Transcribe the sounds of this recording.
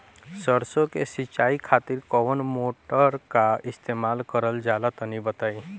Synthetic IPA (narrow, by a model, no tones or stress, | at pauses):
səɾsõkesɪt͡ʃaːikʰaːt̪ɪɾkɔʋənmoːʈəɾkaɪst̪eːmaːlkəɾəld͡ʒaːlat̪ɐnibət̪aːi